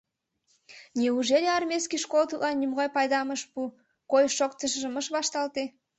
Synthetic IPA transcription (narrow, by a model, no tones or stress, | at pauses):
nʲeuʒeleɑrmʲeskiʃkolt̪ulʔɑnːʲymɣɑjpɑjd̪ɑməʃpu | kojʃokt̪əʃ̬əʒə̆məʃβɑʃt̪ɑlt̪e